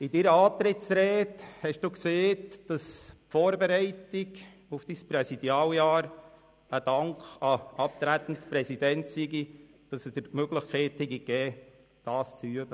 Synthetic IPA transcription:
ɪdiɾəɑːt̪ɾɪtsɾɛːthɛʃd̥uːkseːtd̥ɑspfoːɾbeɾɛɪtɪk | ʊfd̥ispɾɛsid̥jɑːljɑːɾ | əd̥ɑŋkχɑɑp̚t̪ɾæt̪ən̩tspɾɛsid̥ɛntsiɡi | d̥ɑsɛsd̥əɾmøɡlɪχkʰɛɪthɛɡikɛː | d̥ɑːst͡syəb̥ə

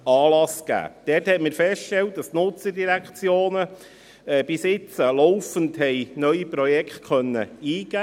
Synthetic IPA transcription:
ɑːlɑsɡ̥æ̰ːd̥ɛːthɛtməɾfɛstʃtɛlt̚d̥ɑstnʊt͡sədiɾækt͡sjoːnə | ɛːb̥ɪsɪt͡səlɔʊfənthɛɪnœʏipɾɔjɛkχt̚kʰœnːə̰iːɡ̥æ

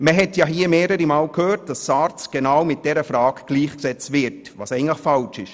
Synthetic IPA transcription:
məɦɛtjɑɦiəmeːɾəɾimaːlkʰhøːrt̚d̥ɑssɑɾt͡sɡ̥enawmɪt̚d̥ɛɾəfɾɑːɡɡ̥liːχksɛt͡stvɪɾtʋɑ̰ːsɛɪɡn̩tləχfɑlʃɪʃ

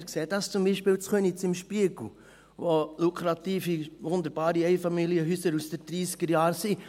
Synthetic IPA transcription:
ɾkseːdɑst͡sʊmbiːʃpɪːlt͡sχønit͡sɪmʃpiəɡ̥l̩ | ʋolukʰɾɑt̪iːfiʋʊnd̪əɾbɑːɾiɛɪfɑmiliəɦyːsəɾusd̥ɛɾd̥ɾiːskəɾjɑːɾsi

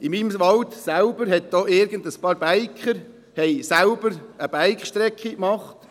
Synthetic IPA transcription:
ɪmiːmʋɑltsælbəɾɦɛt̚d̥oːʔɪɾɡəndəspɑːɾb̥æɪkχəɾ | hɛjsælb̥əɾəb̥æɪkχʃtɾɛkχikmɑχt

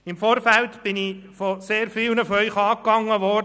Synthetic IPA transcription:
ɪmfoːɾfæltb̥ɪnifoseːɾfɪlnəfɔœʏχɑːkːɑŋːəʋɔ

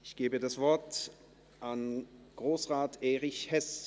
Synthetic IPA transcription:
ɪçɡ̥eːbədasv̥ɔɐt | ʔanɡ̥ʁoːsʁaːtʰeːʁɪçhɛs

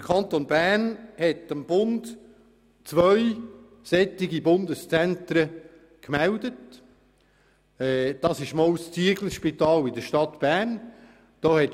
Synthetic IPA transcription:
d̥əkʰɑnt̪onbæːnhɛtəmb̥ʊnd | t͡sʋœʏ | sɛt̪ɪɡibʊnd̪əst͡sɛnt̪ɾə | kmæld̪ət | ɛːd̥ɑsɪʃmɔwst͡siəɡləʃpit̪ɑːlɪd̪əʃtɑt̪b̥æn | d̥oːhɛt

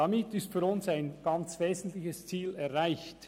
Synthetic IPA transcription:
damɪtɪstfyːɾʊnsaɪnɡ̥ɑnt͡sveːzən̩tlɪçəst͡siːlɛʁʁaɪçt

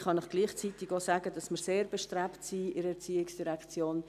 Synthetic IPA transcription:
χɑnɪχɡ̥liːχt͡sitɪɡoːsaːɡədɑsmɪɾseːɾb̥ɛʃtɾɛptsiɪɾəɛt͡siːɪksd̥iɾɛkt͡sjoːn

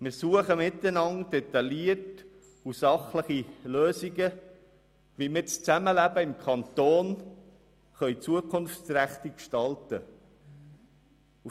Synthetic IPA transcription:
mɪːɾsuəχəmɪt̪ːənɑnd̥ɛt̪ɑliət | usɑχləχiløːsiɡə | ʋimɪt͡st͡sæməlæbəɪmkʰɑnt̪oːn | χœʏt͡suəkʰʊnft͡sɾæχt̪ikʃtɑltə | u

